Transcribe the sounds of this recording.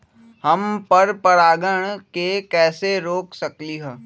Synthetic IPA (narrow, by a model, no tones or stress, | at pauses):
hɐmpɐɾpɐɾaːɡəɽ̃kekɛːseɾoːksɐkliɦɛː